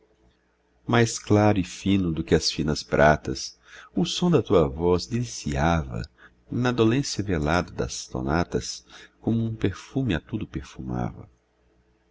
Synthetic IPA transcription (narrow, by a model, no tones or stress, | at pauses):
majsklaɾʊɪfĩnʊd̪ʊkɪɐsfĩnɐspɾʔat̪ɐs | ʊsõd̪ɐt̪uɐvɔzd̪ilisiavɐ̰ | nɐd̪olẽsjɐvelad̪ɐd̪ɐ̰st̪o̰nat̪ɐskõmʊũpeɾfũmɪat̪ud̪ʊpeɾfuma̰vɐ̰